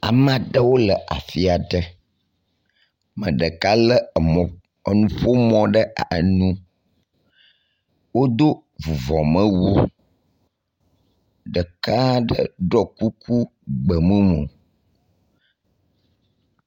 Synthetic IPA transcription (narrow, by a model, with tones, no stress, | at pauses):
a̰˨m˦˨ɖə˦wo˦lə˨ʔa̰˨fi˦a˨ɖ̪ə˦ | mə̰̃˨ɖə˨ka˦lə˦˨ | ə˨nũ˦ɸo˦mɔ̃˦˨ɖə˦a˨nũ˦ | wo˦d̪o˦ | vu˨vɔ˨mə̃˦wo˦ | ɖə˨ka˦ɖə̰˦ɖɔ˦ku˦ku˦ | ɡ͡bə˨mũ˦mõ˨